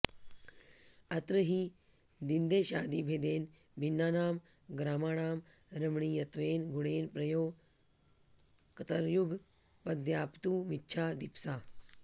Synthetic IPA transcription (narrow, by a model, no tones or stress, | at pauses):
ɐt̪ɾəɦi | d̪ind̪eːʃaːd̪iːbʱeːd̪eːn | bʱinːaːnaːm | ɡɾaːmaːɳaːmɾəmɳiːjɐt̪ʋeːnɡuɽeːnpɾɐjoː | kɐt̪ɐɾjuɡʱ | pɐd̪jaːpt̪uːmitːt͡ʃʰaːd̪ipsaː